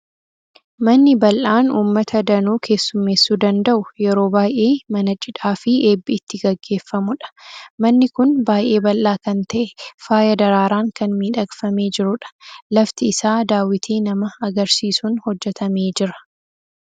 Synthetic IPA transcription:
mɐnːɪbɐlʔaːnuːmːɐt̪ʰɐd̪ɐnuːkʰe̞ːsːʊmːeːsːuːd̪ɐnd̪ɐʔʊjɛɾo̞ːbaːjʔe̞ːmɐnɐt͡ʃʼɪᶑaːfɪeːbːɪːt̪ːɪɡɐɡːe̞ːfːɐmʊᶑɐ̥mɐnːɪkʊnbaːjʔe̞ːbɐlʔaːkɐnt̪ɐʔɛfaːjɐd̪ɐɾaːɾaːŋkɐnmiːᶑɐɡfɐme̞ːd͡ʒɪɾʊᶑɐ̥lɐft̪ɪːsaːd̪aːwɪt̪ʰiːnɐmɐɐɡɐɾsiːsʊnhɔd͡ʒːɛt̪ʰɐme̞ːd͡ʒɪɾɐ̥

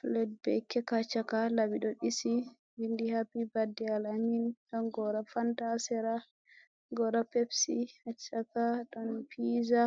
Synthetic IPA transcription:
flɛd̚bɛ̰kːɛkat͡ʃːakalabiɗɔɗisi | bindihabibadːialaɲinɗɔnɡɔɾafandasɛɾa | ɡɔɾapepsihat͡ʃːakaɗɔnpiza

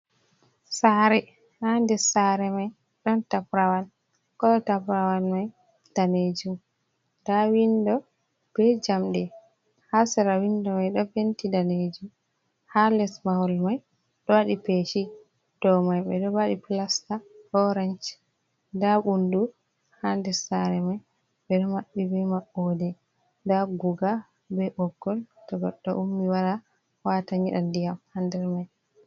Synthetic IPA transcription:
saɾɛ | handɛsaɾɛmaj | ɗɔntapɾawan | kɔtapɾawanmaj | d̥aned͡ʒum | d̥awindɔ | b̥ɛd͡ʒamɗɛ | hasɛɾawindɔmajɗɔfentidaned͡ʒum | halɛsmahɔlmaj | ɗɔwaɗipeːʃi | d̥ɔmajɓɛ̰ɗɔbaɗiplastaɗɔɾant͡ʃ | daɓundu | handɛsaɾɛmaj | ɓɛɗɔmaɓːibɛmaʔːodɛ | daɡuɡa | bɛʔɔɡːɔltɔɡɔɗːɔ̰ʔumːiwaɾa | wataɲiɗa̰ndijamhandɛɾmaj

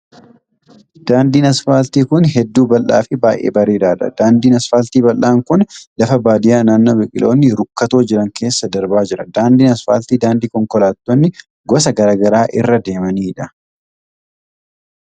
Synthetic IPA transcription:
d̪̥aːnd̪iːnɐsfaːlt̪iːkʊnɦɛd̪ːuːbɐlːa̰ːfɪbaːjʔḛːbɐɾeːᶑaːᶑɐ̰d̪aːnd̪iːnɐsfaːlt̪iːbɐlːaːŋkʊnlɐfɐbaːd̪ɪjaːnaːnːɐbɪkʼɪlo̞ːnːɪɾʊkːɐt̪o̞ːd͡ʒɪɾɐŋke̞ːsːɐd̪ɐɾbaːd͡ʒɪɾɐd̪aːnd̪iːnɐsfaːlt̪iːd̪aːnd̪iːkɔŋkɔlaːt̪ːonːɪ | ɡɔs̬ɐɡɐɾaːɡɐɾaːʔɪrːɐd̪e̞ːmɐniːᶑɐ

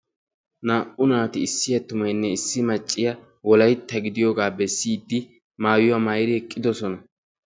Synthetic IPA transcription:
naːʔʊnaːt̪ɪɪsːɪjɐt̪ʊmɐjnːɛɪsːɪmɐt͡ʃʼːɪjɐ | wɔlɐjt̪ːɐɡɪd̪ɪjoːɡaːbɛsːiːd̪ːɪ | maːwjʊwamɐjɾɪhɛkʼːɪd̪ɔsɔnɐ

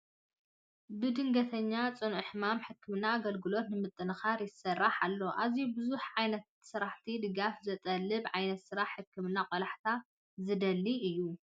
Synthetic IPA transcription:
bɨd̪ɨŋɡɐt̪ʰɐɲːat͡sʼɨnʔħɨmamħɨkːɨmɨnaːɡɐlɡɨlo̞t̪nɨmɨt̪ʼːɨnɨxaɾjɪsɐrːaħalːo̞ʔazjubɨzuħʕajnɐt̪sɨɾaħt̪ʰid̪ɨɡafzɐt̪ʼɐlːɨbʕajnɐt̪sɨɾaħħːɨkʰːɨmɨnaqʼolaħt̪ʰa | zɨd̪ɐlːiʔɨjːu

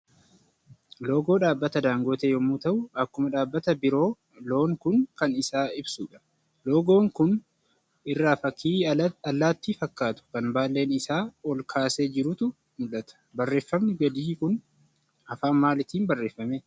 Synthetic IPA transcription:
lo̞ːɡo̞ːᶑaːbːɐt̪ɐd̪aːŋɡo̞ːt̪eːjɔmut̪ɐʔʊɐkːʊmɐᶑaːbːɐt̪ɐbɪɾo̞ː | lo̞ːŋkʊŋkɐnɪsaːɪbsuːᶑɐ̥ | lo̞ːɡo̞ːŋkʊn | ɪrːaːfɐkʰːiːɐlːaːt̪ːɪfɐkːaːt̪ʊ̥kɐnbaːlːe̞ːnɪsaːɔlkʰaːseːd͡ʒɪɾʊt̪ʊ | mʊᶑɐt̪ɐ̥bɐrːe̞ːfːɐmnɪɡɐd̪iːkʊn | ɐfaːnmaːlɪt̪iːnbɐrːe̞ːfːɐmeː

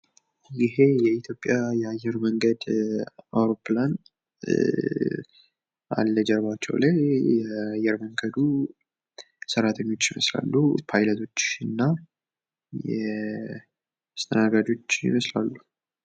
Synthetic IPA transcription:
jɪɦe̞jɛit̪ʰjo̞pʼːjajɛajːɛɾməŋɡəd̪awɾo̞pʰlan | ʔa̰lːəd͡ʒɛɾbat͡ʃːɛ̰wlajjɛajɛɾməŋɡəd̪u | səɾat̪ʰəɲːo̞t͡ʃːjɪməsla̰lːupʰajlət̪ʰo̞t͡ʃːɨnːa | jɛ | ast̪ʰənaɡad͡ʒo̞t͡ʃːjɪ̰məsla̰lːu

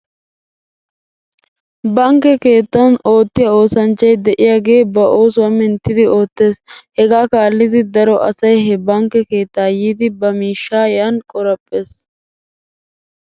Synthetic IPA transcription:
bɐŋkːɛke̞ːt̪ːɐno̞ːt̪ːɪjɐo̞ːsɐnt͡ʃːɐjd̪ɛʔɪjaːɡe̞ːbɐʔo̞ːsʊwɐmɪnt̪ːɪd̪ɪo̞ːt̪ːe̞ːshɛɡaːkaːlːɪd̪ɪd̪ɐɾɔʔɐ̰sɐjɦɛbɐŋkːɛke̞ːt̪ːaːjiːd̪ɪbɐmiːʃːaːjankʼɔɾɐpʼːe̞ːs

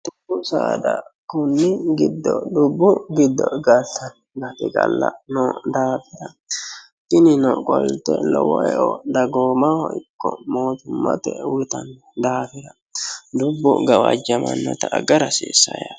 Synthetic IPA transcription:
d̪ʊbːʊsaːd̪ɐkʊnːɪɡɪd̪ːɔd̪ʊbːʊɡɪd̪ːɔɡɐsɐn | ɡɐt̪ɪɡʼɐlːɐnɔd̪aːfɪɾɐ | t̪ɪnɪnɔkʼɔlt̪ːɛlɔwɔʔɛʔɔd̪ɐɡoːmahɔʔɪkːɔmo̞ːt̪ʊmːɐ̰t̪ɛwʊt̪ɐnː | d̪aːfɪɾɐ | d̪ʊbːʊ̰ɡɐwɐd͡ʒɐmɐnːɔt̪ɐʔːɡɐɾɐsḭːsːɐjɐ

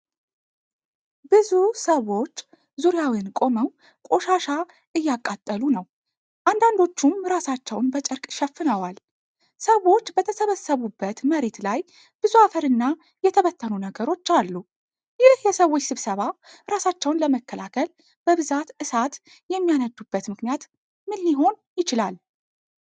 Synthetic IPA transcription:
bɨzusəwo̞t͡ʃː | zuɾjawinkʼo̞məw | kʼo̞ʃaʃa | ʔɨjːakʼːat̪ʼːəlunəw | ʔand̪and̪o̞t͡ʃːumɾasat͡ʃːɛwnbət͡ʃʼɨɾkʼʃɛfːɨnəwal | səwo̞t͡ʃːbət̪ʰəsəβəsəβubːət̪məɾe̞t̪laj | b̥ɨzuafəɾɨnːa | jɛt̪ʰəβət̪ʰːənunəɡəɾo̞t͡ʃːalːu | jɪhjɛsəwo̞t͡ʃːsɨβsəβa | ɾasat͡ʃːɛwnləməkːəlakʰəl | b̥əβɨzat̪ʔɨsat̪ | jɛmːijanəd̪ːubːət̪mɨknijat̪ | mɨlːiɦo̞n | jɪt͡ʃɪlal

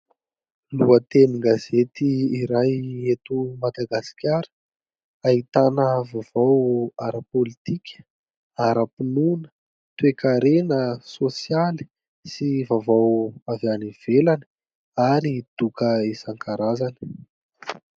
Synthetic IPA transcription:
luət̪eniɡazet̪iːɾajet̪umad̪aɡasi̥kʲaɾə̥ | aɦit̪anəvav̥awaɾəpolit̪ikʲʰə̥ | aɾəpinunə̥ | t̪wekaɾenəsosiali̥ | sivavawavaniv̥elanə | aɾid̪̥ukəesaŋkʰaɾazanə̥

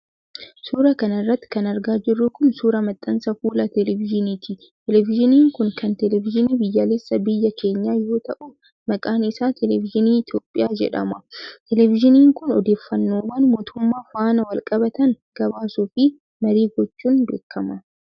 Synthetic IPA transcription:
suːɾɐkɐnɐrːɐt̪ːɪ̥kɐnɐɾɡaːd͡ʒɪrːʊkʊnsuːɾɐmɐt̪ʼːɐnsɐfuːlɐt̪ɛlɛvɪd͡ʒɪniːt̪ɪ | t̪ɛlɛvɪʒɪniːŋkʊŋkɐnt̪ɛlɛvɪd͡ʒɪniːbɪjːaːlesːɐbɪjːɐke̞ːɲːaːjo̞ːt̪ɐʔʊ | mɐkʼaːnɪsaːt̪ʰɛlɛvɪd͡ʒɪniːɪt̪joːpʼːɪjaːd͡ʒɛ̰ᶑɐ̰mɐt̪ɛlɛvɪʒɪniːŋkʊnɔd̪e̞ːfːɐnːoːwaːnmo̞ːt̪ʊmːaːfaːnɐwɐlkʼɐbɐt̪ɐŋ | ɡ̥ɐbaːsuːfɪ | mɐɾiːɡɔt͡ʃːuːnd̪ḛːkʰːɐmɐ

